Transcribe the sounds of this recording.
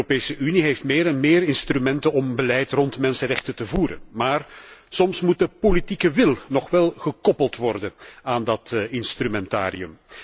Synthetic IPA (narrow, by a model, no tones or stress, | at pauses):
opeːsəʔyniɦejftmeːɾɛnmeːɾɪnstrymɛntənɔmbəlɛjtrɔntmɛnsənrɛxtətəvuːɾə̰nmaːrsɔmsmut̚dəpolitikəʋɪlˠnɔχʋɛlˠɣəkɔpəlˠtʋɔrdənaːndɑtɪnstrymɛnta̰ːɾḭɵ̰m